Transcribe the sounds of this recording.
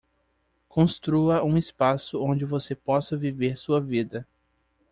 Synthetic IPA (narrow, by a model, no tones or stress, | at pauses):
kõst̪ɾuɐũɪspasʊõd͡ʒɪvosepɔsɐviveɾsuɐvid̪ɐ